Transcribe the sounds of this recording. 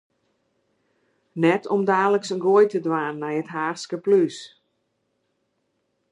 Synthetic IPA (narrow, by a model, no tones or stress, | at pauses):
nɛtʰɔmdaːləksənɡojtədʋaːnːɛjətɦaːskəplys